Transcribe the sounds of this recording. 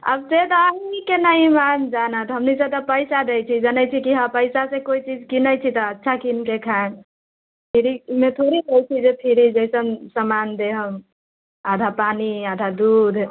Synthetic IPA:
ə̰bset̪ɔːɦiikenəimamd͡ʒanat̪ɦəmniset̪əpəɪsad̪ejt͡ʃʰid͡ʒənət͡ʃʰikiɦapəjsasẽkoit͡ʃid͡ʒkinəjt͡ʃʰit̪ɔːtːʃʰakinkekʰan | pʰiɾimet̪ʰoɾikəjt͡ʃʰid͡ʒepʰiɾid͡ʒəjsənsəmand̪eɦəm | ad̪ʱapaniad̪ʱad̪ud̪ʱ

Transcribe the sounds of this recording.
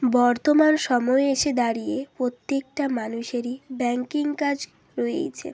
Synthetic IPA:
bɔɾt̪omanʃɔmɔeeʃed̪aɾijepɾot̪ːek̚ʈamanuʃeɾibɛŋkiŋkad͡ʑ | ɾoḛt͡ɕʰḛn

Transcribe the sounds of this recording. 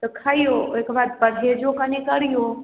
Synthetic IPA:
t̪ɐkʰaijoekbaːd̪̚pəɾɦed͡ʒokanikəɾijo

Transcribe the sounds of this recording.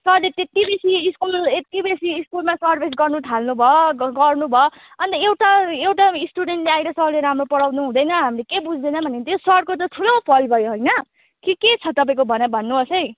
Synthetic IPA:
sʌlet̪et̪ibesiːskulet̪ibesiːskulmasʌrbʱisɡʌrnuʈʰalnubʱʌɡʌrnubʱʌ | ʌnt̪ʌewʈaewʈaisʈuɽeɳʈleajɾʌsʌɦleɾamropʌɽawnuɦũd̪ʌjnʌɦamilekebud͡zʱd̪ʌjnʌbʱʌnet̪josʌɽ̚kot̪ʌt̪ʰulʌ̃pʰʌlbʱʌjoɦojnʌ | kiket͡sʰʌt̪ʌp̬aĩkobʱʌnʌbʱʌnːuɦʌsʌj

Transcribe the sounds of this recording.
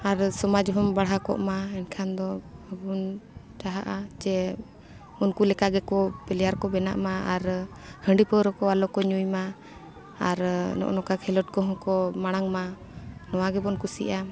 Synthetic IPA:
aɾsɔmad͡ʒɦɔmbaɽɦakɔ̰ʔmaɛnkʰand̪ɔəbun | ʈaɦaʔad͡ʒɛ | unkulɛkaɡɛkɔpɛlɛjaɾkɔbɛna̰ʔmaaɾ | həɳɖipəɾɔkɔalɔkɔɲujma | aɾnɔ̰ʔnɔkakʰɛlɔʈ̚kɔɦɔ̃kɔmaɽ̃aŋma | nɔwaɡɛbɔnkusḭʔa

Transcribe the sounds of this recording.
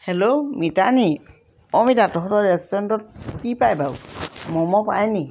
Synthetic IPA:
hɛlomitani | ɔmidatɔɦɔtɔɹɛstɔɔntɔt̚kipajbawmɔmɔpa̰jni

